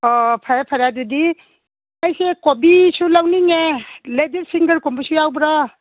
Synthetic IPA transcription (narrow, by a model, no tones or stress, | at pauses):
ɔpʰaɾapʰaɾadudi | majsekobisulawniŋeledeɾsiŋɡəɾkɔmbisujawbɾɔ